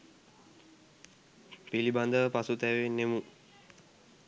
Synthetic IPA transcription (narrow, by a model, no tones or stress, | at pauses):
piliband̪əpasut̪ɛʋenːemu